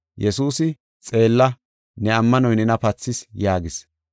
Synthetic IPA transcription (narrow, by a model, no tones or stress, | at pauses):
jɛsuːsɪ | t͡sʼe̞ːlːɐ | nɛɐmːɐnɔjnɛnɐpɐt͡sːɪsjaːɡɪs